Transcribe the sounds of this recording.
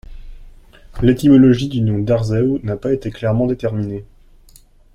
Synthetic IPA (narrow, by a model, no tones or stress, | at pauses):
let̪imɔlɔʒid̪ynɔ̃d̪aʁzɛwnapaet̪eklɛʁmɑ̃d̪et̪ɛʁmine